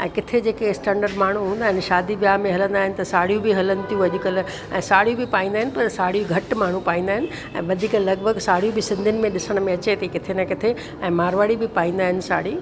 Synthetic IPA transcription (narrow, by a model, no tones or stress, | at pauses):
ɛ̃ːkɪt̪ʰed͡ʑeːkesʈɛ̃ːɳɖəɾɖmaːɳ̤uɦũːn̆d̪aːɦɪnɪ̆ʃaːd̪iʋjaːɦmẽɦɐlə̃nd̪aːɦɪnɪ̆t̪ɐsaːɽijũbɪɦɐlənɪ̆t̪ijũɐʄʊkɐl̆ | ɛ̃ːsaːɽ̤ijũbɪpaːĩːnd̪aːɦɪnɪ̆pɐɾsaːɽ̤ijũɡʱɐʈmaːɳ̤ũpaːĩːnd̪aːɦɪnɪ̆ | ɛ̰̃ːʋɐd̪ʱiːklɐɡbʱəɡsaːɽ̤ijũbɪsɪ̃nd̪ʱənɪ̆mẽɗɪsəɽ̃̆mẽɐt͡ɕet̪ʰekɪt̪ʰenɐkɪt̪ʰe | ɛ̃ːmaːɾʋaːɽibɪpaːĩːnd̪aːɦɪnɪ̆sa̰ːɽiː